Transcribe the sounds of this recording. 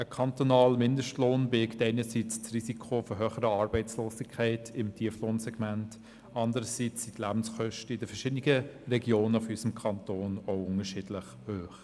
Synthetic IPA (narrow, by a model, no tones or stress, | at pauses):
əkʰɑntonɑːlmɪndəʃtloːnbeːktɛɪnəsit͡st͡srisikʰofɔɾɦøːχəɾəɑɾbɛɪt͡sloːsɪkʰːɛɪtʰɪmtʰiəfloːnsɛɡ̥mænt | ɑndəɾəsit͡sːitlæb̥n̩sχœʃtəɪd̥əfɛʃɪdənɪɡərɛɡjoːnəfysəmkʰɑntoːnoʊʊŋəʃɪdləχhøːχ